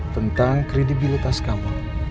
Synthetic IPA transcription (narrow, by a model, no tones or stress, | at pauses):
t̪ənt̪aŋkɾedibilit̪askama